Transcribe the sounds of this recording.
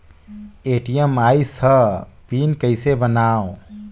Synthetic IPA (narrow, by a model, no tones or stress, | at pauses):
eʈijəmajsəpinkəɪsebənao